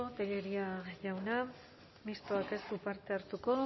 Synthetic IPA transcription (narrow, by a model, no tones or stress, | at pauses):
ot̪eʎeɾiaʝawna | mist̪oake̞supaɾt̪e̞aɾt̪uko̞